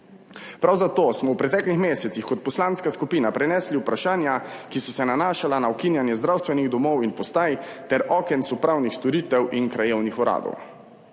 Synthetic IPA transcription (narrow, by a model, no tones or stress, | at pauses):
pɾawzat̪oːsmɔwpɾɛt̪ɛːklixmeːsɛt̪sixkɔt̪̚pɔslanskaskupiːnapɾɛnɛːsliwpɾaʃaːnjakisɔsɛnanaːʃalanaɔkinjanjɛzd̪ɾawst̪ʋɛniɣd̪ɔmɔwinpɔst̪aːjt̪ɛɾʔɔːkɛnsupɾaːwnixst̪ɔɾiːt̪ɛwʔinkɾajeːwnixɔɾa̰ːd̪ɔ̰w